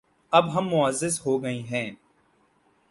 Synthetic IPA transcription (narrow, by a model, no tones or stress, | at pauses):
ɐbɦɐmːʊəzːɪzɦoːɡɐiɦɛ̃ː